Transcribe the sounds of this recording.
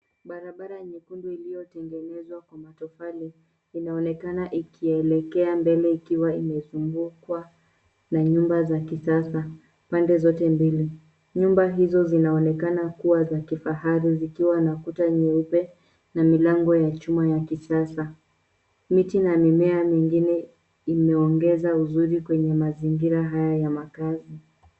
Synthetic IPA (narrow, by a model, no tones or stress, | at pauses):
ɓaɾaɓaɾaɲikunduilijɔtɛŋɡɛnɛzwakwamatɔfaliː | naɔnɛkanaʔikʰiɛlɛkɛambɛlɛikiwaimɛzuŋɡukwa | naɲumbazakisasa | pandɛzɔtɛmbili | ɲumbaɦizɔzinaɔnɛkanakuwazakifaɦaɾizikiwanakutaɲɛupɛ | namilaŋɡɔjat͡ʃumajakisasa | mitinamimɛamiŋɡinɛ | imɛɔŋɡɛzauzuɾikwɛɲɛmaziŋɡiɾaɦajajamakazi